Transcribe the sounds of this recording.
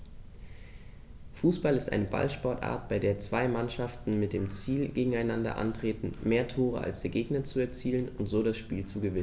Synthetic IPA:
fuːsb̥alɪstʔa̰ɪnəba̰lʃpɔɐtʔa̰ːɐt̚b̥aɪdeːɐt͡sv̥aɪmanʃaftn̩mɪt̚d̥eːmt͡siːlɡeːɡŋ̩aɪnandɐ̰ʔa̰ntʁ̥eːtn̩meːɐtʰoːʁ̞ə̰a̰lsd̥eːɐɡeːɡnɐt͡suɛɐt͡siːlənʊntz̥oːɾasʃpiːlt͡suɡəvɪnn

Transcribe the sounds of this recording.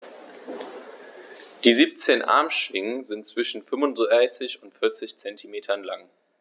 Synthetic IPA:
d̥iːziːp̚t͡seːnʔa̰ɐmʃv̥ɪŋənzɪntt͡sv̥ɪʃn̩fʏmvʊndaɪsɪçʊntfɪɐt͡sɪçt͡sɛntʰimeːtʰɐnlaŋ

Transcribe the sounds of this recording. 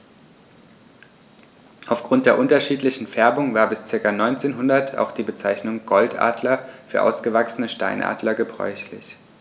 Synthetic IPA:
ʔaʊfɡ̥ʁʊntd̥eːɐʔʊntɐʃiːtlɪçn̩fɛɐbʊŋvaːɐbɪst͡sɪɐkanɔʏnt͡seːnɦʊndɐtʰa̰ʊxd̥iːbət͡saɪçnʊŋɡ̥ɔltʔa̰ːdlɐfyːɐʔaʊsɡ̥əvaksənəʃta̰ɪnʔa̰ːdlɐɡəbʁɔ̰ʏçlɪ̰ç

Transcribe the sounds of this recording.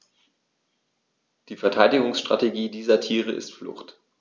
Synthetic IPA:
d̥iːfɛɐtʰaɪdɪɡʊŋsʃtʁ̥a̰teɡiːdiːzɐtʰiːʁəʔɪ̰stflʊ̰χt

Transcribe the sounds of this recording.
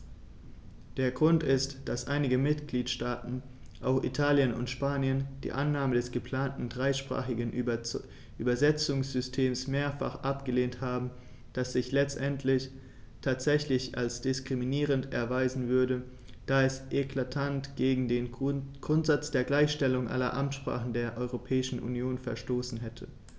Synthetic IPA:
d̥eːɐɡʁʊntɪstd̥asʔaɪnɪɡəmɪtɡ̥liːtʃtaːtn̩ | ʔaʊxʔḭtʰaːljənʊ̰ntʃpaːnjənd̥ḭːʔanːaːmədɛsɡ̥əpl̥aːntn̩dʁaɪʃpʁ̥a̰ːχɪɡən̩ | ʔyːbɐzɛt͡sʊŋsz̥ʏstʰeːmsmeːɐfa̰χʔapɡ̥əleːnthaːbm̩ | d̥asz̥ɪçlɛt͡stʔɛntʰlɪç | tʰaːtz̥ɛçlɪçʔa̰lsd̥ɪskʁ̥iminiːʁəntɛ̰ɐvaɪzn̩vʏɐdə | d̥aːɛsʔekʰl̥atʰantɡ̥eːɡŋ̩deːnɡ̥ʁʊntz̥at͡sd̥eːɐɡlaɪçʃtɛlʊŋʔa̰lɐ̰ʔamtʃpʁ̥a̰ːχn̩deːɐʔɔʏʁopʰɛːɪʃn̩ʔṵnjoːnfɛɐʃtoːsn̩ɦɛtʰə

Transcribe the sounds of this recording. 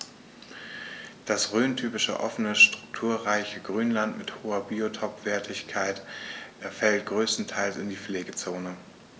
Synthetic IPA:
d̥asʁøːntʰyːpɪʃə̰ʔɔ̰fənəʃtʁ̥ʊk̚tʰuːɐʁaɪçəɡʁyːnlantmɪthoːɐbiːotʰɔpv̥ɛːɐtʰɪçkʰaɪtʔɛɐfɛlt̚ɡ̥ʁøːstn̩tʰaɪlsɪndiːp͡fleːɡət͡soːnə

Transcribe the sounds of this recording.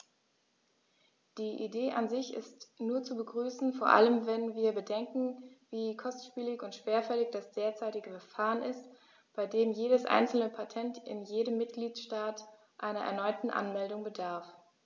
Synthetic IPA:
d̥iːʔḭdeːʔanzɪçɪ̰stnuːɐt͡subəɡʁyːsn̩foːɐʔa̰ləmvɛnviːɐbədɛŋkŋ̩viːkʰɔstʃpiːlɪçʊntʃv̥eːɐfɛlɪçd̥asd̥eːɐt͡saɪtɪɡəfɛfaːʁənɪst | b̥aɪdeːmjeːɾəsʔa̰ɪnt͡sl̩nəpʰatʰɛntɪ̰njeːɾəmːɪt̚ɡ̥liːtʃtaːt | ʔaɪnɐʔɛ̰ɐnɔʏtn̩ʔa̰nmɛldʊŋbədaɐf

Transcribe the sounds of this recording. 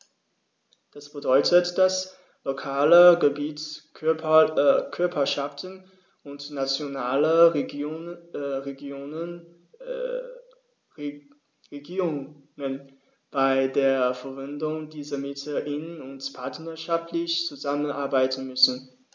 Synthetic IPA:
d̥asb̥ədɔʏtʰətd̥as | lokʰaːləɡəbiːt | kʰʏɐpʰɐʃaftʰən | ʔʊntnat͡sjonaːlə | ʁeɡːnə | ʁeɡiːʁʊŋŋən | b̥aɪdeːɐfɛɐvɪndʊŋdiːzɐmɪtʰəʔɪnənʊntpʰaɐtnɐʃaftlɪçt͡suzamənʔaɐbaɪtn̩mʏsn̩

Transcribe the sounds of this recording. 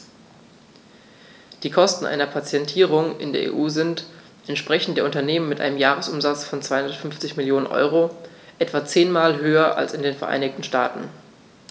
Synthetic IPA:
d̥iːkʰɔstn̩ʔa̰ɪnɐpʰat͡sjɛntʰiːʁ̞ʊŋɪ̰ndeːɐʔḛːʔuːzɪnt | ʔɛntʃpʁ̥ɛçn̩td̥eːɐʊntɐneːmənmɪtʔa̰ɪnəmjaːʁəsʔʊmzat͡sfɔnt͡sv̥aɪhʊndɐtfʏnft͡sɪçmɪljoːnənʔɔ̰ʏʁo | ʔɛtv̥at͡seːnmaːlɦøːɐʔa̰lsɪndeːnfɛɐʔa̰ɪnɪçtn̩ʃta̰ːtn̩

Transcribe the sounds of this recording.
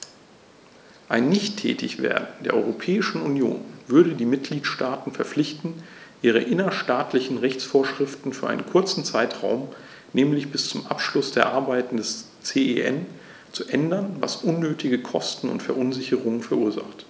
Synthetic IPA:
ʔaɪnːɪçtʰːɛ̰ːtʰɪ̰çv̥ḛːɐdn̩d̥eːɐʔɔ̰ʏʁopʰɛːɪʃn̩unjo̰ːnvʏɐɾədiːmɪt̚ɡ̥liːtʃtaːtn̩fɛɐflɪçtn̩ʔiːʁ̞əʔɪnɐʃtaːtʰlɪçn̩ʁɛçt͡sfoːɐʃʁ̥ɪftn̩fyːɐʔaɪnənkʰʊɐt͡sn̩t͡saɪtʁ̥a̰ʊm | nɛːmlɪçb̥ɪst͡sʊmʔapʃlʊsd̥eːɐʔaɐbaɪtn̩dɛs | t͡seːeʔɛ̰n | t͡suʔɛndɐnva̰sʔʊnːøːtʰɪɡəkʰɔstn̩ʊ̰ntfɛɐʔʊnzɪçəʁʊŋəfɛɐʔuːɐza̰χt

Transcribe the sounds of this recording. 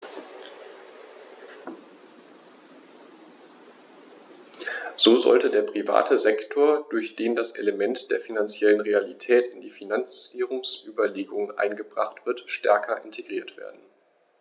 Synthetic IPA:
z̥oːzɔ̰ltədeːɐpʁ̥iva̰ːtʰəzɛktʰoːɐd̥ʊɐçd̥eːndasʔḛləmɛntd̥eːɐfinant͡sjɛlənʁealitʰɛːtɪndiːfinant͡siʁʊŋsʔyːbɐleːɡʊŋənʔa̰ɪnɡəbʁa̰χtv̥ɪɐtʃtɛ̰ɐkʰɐʔɪntʰeɡʁiːɐtv̥ḛːɐdn̩

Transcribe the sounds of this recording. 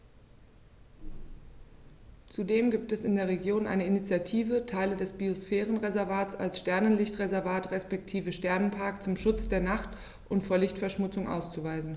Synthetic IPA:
t͡sudeːmɡiːp̚tɛsɪndeːɐʁ̞eɡjoːnʔa̰ɪnəinit͡sjatʰiːvətʰaɪlədɛsb̥iosfɛːʁənʁezɛɐvaːtt͡sa̰lsʃtɛɐnənlɪçtʁezɛɐvaːtʁɛspɛk̚tʰiːvəʃtɛɐnənpʰaɐkt͡sʊmʃʊt͡sd̥eːɐnaχt | ʔʊntfoːɐlɪçtfɛɐʃmʊt͡sʊŋʔa̰ʊst͡suvaɪzn̩

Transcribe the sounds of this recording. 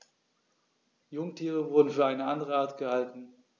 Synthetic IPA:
jʊŋtʰiːʁ̞əvʊɐdn̩fyːɐaɪnəʔandəʁ̞əaːɐtɡ̥əhaltn̩

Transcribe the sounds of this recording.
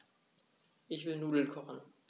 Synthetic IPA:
ʔɪçv̥ɪlnuːdl̩kʰɔχn̩

